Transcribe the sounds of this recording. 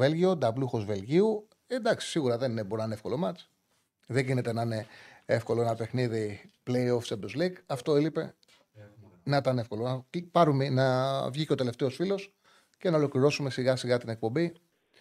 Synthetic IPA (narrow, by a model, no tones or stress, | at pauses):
e̞lʝio̞d̪ɐbluxo̞zve̞lʝiu | e̞nd̪ɐksi̥siɣuɾɐðe̞nine̞boɾnɐnefko̞lo̞mɐt͡ʃ | ðe̞ɟinet̪e̞nɐine̞efko̞lo̞enɐpe̞xniðiple̞jo̞fsed̪ozliɡɐft̪o̞elipe̞ | nɐt̪ɐne̞fko̞lonɐpɐɾumenɐvʝiceot̪e̞left̪e̞osfilo̞s | ce̞nɐolokliɾo̞sume̞siɣɐsiɣɐt̪ine̞k̚po̞mbi